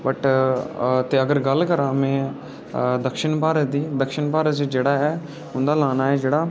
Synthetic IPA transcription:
bəʈ | t̪eːəɡəɾɡəlkəɾãːmɛ̃ː | d̪əkʃɪɳpaːɾəd̪iːd̪əkʃɪɳpaːɾəd͡ʒd͡ʒeːɽaːɛː | ɦʊ̃nd̪aːlaːnaːɛːd͡ʒeːɽaː

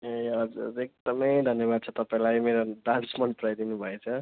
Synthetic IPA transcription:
eʌd͡zṵɾek̚d̪ʌmʌjd̪ʱʌnjeβad̪̚t͡sʰʌt̪ʌpaĩlajmeɾoɖãnsmʌnpɾajd̪inubʱʌet͡sʰʌ

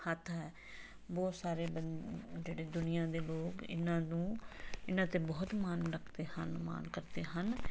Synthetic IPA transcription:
hət̪ʰɦɛː | bɔːt̪saːɾeːbəd͡ʒeːɽeːd̪ʊnɪjãːd̪eːloːkɪ̰nãːnũːɪnãːt̪eːbɔːt̪maːnɾəkʰt̪eːhənma̰ːnkəɾt̪eːɦən

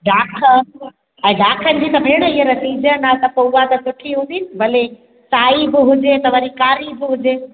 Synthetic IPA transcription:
ɖaːkʰə | ɛ̃ːɖaːkʰənɪ̆d͡ʑiːt̪ɐbʱeːɽ̃əɪɦeɾɐsiːd͡ʑənat̪ɐpɐat̪ɐsʊʈʰiɦũːn̆d̪iːnɪbɐle | saːibɪɦʊd͡ʑet̪ɐʋɐɾikaːɾibɪɦʊd͡ʑeː

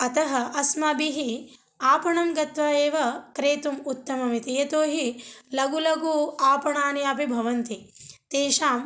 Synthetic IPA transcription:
ɐt̪ɐɦɐʔɐsmɐbiɦi | aːpɐɳɐmɡɐt̪ʋaːeːʋɐkɾeːt̪umut̪ːɐmɐmit̪ijɐt̪oːɦilɐɡulɐɡuːaːpɐɳaːniɐpibʱɐʋɐnt̪it̪eːʃaːm

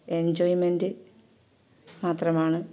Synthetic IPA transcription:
end͡ʑoːjimendɨ | maːt̪rɐmaːɳɨ

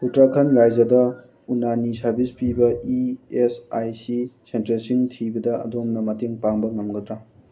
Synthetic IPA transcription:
kutɾakʰɐnɾajd͡ʒɐdɐ | unanisɐɾbʱispibɐiesajsisentɐlsiŋtʰibɐdɐʔɐ̰domnɐmɐteŋpaŋbɐŋɐmɡɐd̪ɾa

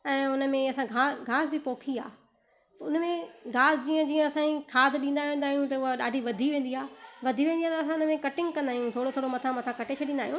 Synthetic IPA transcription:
ɛ̃ːʊnəmẽɐsãɡʱaːɡʱaːzbɪpoːkʰia̰ː | ʊnəmẽɡʱaːzd͡ʑiːə̃d͡ʑiːə̃ɐsãĩkʰaːd̪ɗĩːn̆d̪aːɦĩnd̪aːɦijũt̪ɐʊɦaɗa̰ːɖʱiʋɐd̪ʱiʋẽːn̆d̪iaːʋɐd̪ʱiʋẽːnd̪iaːt̪ɐs̬ãʊnəmẽkɐʈɪ̃ŋɡkɐ̃nd̪aːijũt̪ʰoːɽot̪ʰoːɽomɐt̪ʰamɐt̪ʰakɐʈet͡ɕʰɐɗĩːnd̪aːɦijũ

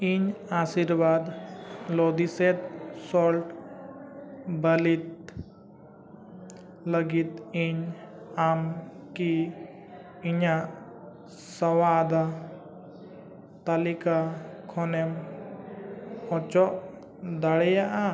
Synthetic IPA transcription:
iɲasiɾbad̪lɔd̪isɛt̪sɔlʈ | bəlit̪̚ | ləɡit̪iɲamki | ɲaʔ | sɔwad̪a | t̪alikakʰɔnɛm | ɔt͡ʃɔʔ | d̪aɽɛjaʔa

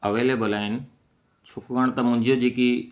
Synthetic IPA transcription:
ɐʋeːleːbəlaːɪnɪ̆ | t͡ɕʰokɡəɽ̃t̪ɐmʊ̃ɦɪ̃ɲd͡ʑod͡ʑeːki

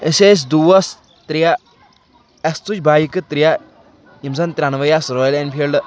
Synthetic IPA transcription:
əses̬ʲd̪uʋɐs | t̪ɾija | ɐst̪ut͡ʃbaːjikɨt̪ɾija | imzɐnt̪ʲɾʲanʋɐjasɾoːjlɛnpʰel

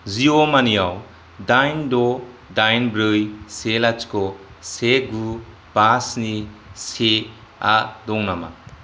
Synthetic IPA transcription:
ziomanijaw | dajndɔdajnbɾɯjselat͡ʃkɔ | seɡu | b̥asnise | adɔŋnama̰

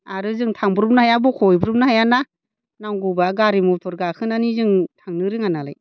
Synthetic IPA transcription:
aɾɯzɯŋtʰaŋbɯɾup̚nahajabɔkʰɔjbɯɾup̚nahajana | naŋɡubaɡaɾimɔtʰɔɾɡakʰɯnanizɯŋtʰaŋnɯɾɯŋanala̰j

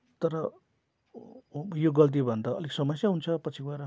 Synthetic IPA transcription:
t̪ʌɾʌ | joɡʌlt̪̬ibʱʌnd̪aʌ̰leksʌmʌsjaɦunt͡sʰʌpʌt͡sʰiɡwaɾʌ

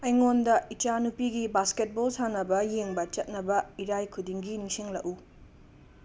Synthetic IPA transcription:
ɐjŋondɐit͡ʃanupiɡibasket̚bolsanɐbɐjeŋbɐt͡ʃɐt̚nɐbɐiɾajkʰudiŋɡinisiŋlɐʔu

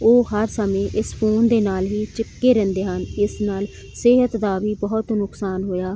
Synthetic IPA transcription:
oːɦəɾsəmẽːʔɪspʰoːnd̪eːnaːlɦiːt͡ʃɪkːeːɾɛ̃ːnd̪eːɦənɪsnaːl | sɪɦət̪d̪aːbiːbəɦʊt̪nʊksaːnɦoːjaː

